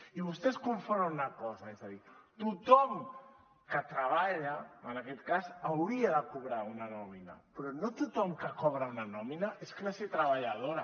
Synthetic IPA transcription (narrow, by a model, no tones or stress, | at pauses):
iβust̪eskuɱfoɾaunakɔzaezaðit̪ut̪ɔm | kət̪ɾaβaʎaənakɛt̪kazawɾiaðəkuβ̞ɾaunanɔmina̰pɾɔnot̪ut̪ɔmkəkɔβ̞ɾaunanɔminaʔesklasiet̪ɾəβaʎaðoɾa